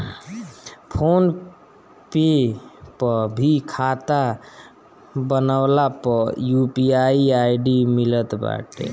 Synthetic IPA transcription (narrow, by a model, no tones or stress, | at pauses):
pʰon | pepəbʱikʰat̪a | bənaʊlapəjupiaiaiɖimilət̪ba̰ʈḛ